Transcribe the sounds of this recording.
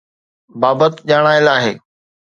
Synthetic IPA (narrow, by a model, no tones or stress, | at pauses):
baːbət̪ʄaːɽ̃aːɪlaːɦḛː